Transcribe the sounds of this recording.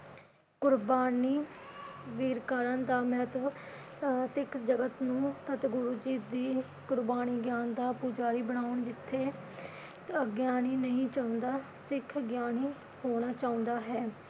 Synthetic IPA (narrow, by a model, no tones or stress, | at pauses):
kʊɾbaːniː | ʋiːɾkaːɾãːnd̪aːmɛɦət̪ | sɪkʰd͡ʒəɡət̪nũːsət̪ɡʊɾuːd͡ʒiːd̪iː | kʊɾbaːniːɡjaːnd̪aːpud͡ʒaːɾiːbəɽ̃aːʊɳd͡ʒɪt̪ʰːeː | əɡjaːniːnəɦĩːt͡ʃaːʊ̃nd̪aː | sɪkʰɡjaːniː | hoːɽ̃aːt͡ʃaːʊ̃nd̪aːɦɛː